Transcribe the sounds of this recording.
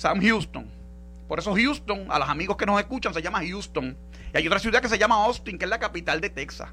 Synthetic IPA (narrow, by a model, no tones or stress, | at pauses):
samhjust̪oŋ | po̞ɾe̞so̞hjust̪o̞ŋa̰losamiɣoske̞noseskut͡ʃaŋseʝamahjust̪o̞ŋ | iajo̞t̪ɾasjuðakes̬eʝamaost̪iŋkeezlakapit̪ald̪e̞t̪e̞ksa̰